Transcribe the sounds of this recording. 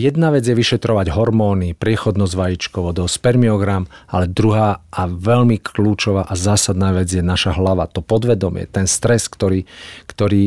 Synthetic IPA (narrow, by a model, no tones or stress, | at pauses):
jɛd̪naʋɛd͡zjɛʋiʃɛt̪ɾɔʋaɟɦɔɾmɔːnipɾɪɛxɔd̪nɔzʋajit͡ʃkɔʋɔd̪ɔspɛɾmiɔɡɾamalɛd̪ɾuɦaːaʋɛʎmikʰluːt͡ʃɔʋaʔazaːsad̪naːʋɛd͡zjɛnaʃaɦlaʋa̰t̪ɔpɔd̪ʋɛd̪ɔmɪɛ̰t̪ɛnst̪ɾɛskt̪ɔɾiːkt̪ɔɾiː